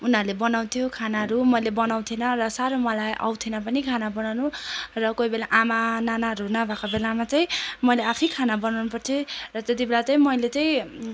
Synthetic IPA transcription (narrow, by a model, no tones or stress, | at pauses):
unʌrlebʌnaw̃t̪ʰjokʰanaɦʌɾumʌjlebʌnaw̃t̪ʰinʌrʌsaɾomʌlajʔa̰wt̪ʰenʌpʌnikʰanabʌnawnurʌkojbelaʔamananaɦʌɾunʌbʱakʰabelamat͡saĩmʌjleapʰijkʰanabʌnawnupʌrt͡s̪ʰirʌt̪et̪̬ibelat͡saĩmʌjlet͡saĩ